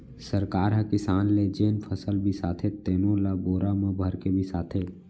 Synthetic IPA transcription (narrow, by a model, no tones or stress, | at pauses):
səɾkaːɾɦə̃kɪsaːnled͡ʒeːnpʰəsəlbʱisaːt̪ʰet̪eːnõlaboːɾamə̃bʱəɾkebʱisaːt̪ʰeː